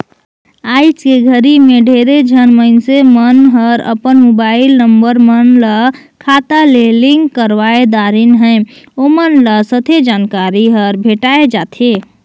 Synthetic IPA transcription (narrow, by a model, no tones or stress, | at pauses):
ajt͡ʃkeɡʱəɾimeɖʱeɾed͡ʒʱənməɪnsemənɦəɾə̰pənmobailnəmbəɾmənlə | kʰat̪aleliŋɡkəɾʋaed̪aɾinɦə̃ɪ | omənləsət̪ʰed͡ʒankaɾiɦəɾbʱeʈaed͡ʒat̪ʰe